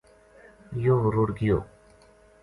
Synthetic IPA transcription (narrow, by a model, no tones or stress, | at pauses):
joːɦʊɾuːɾɡijo̰ː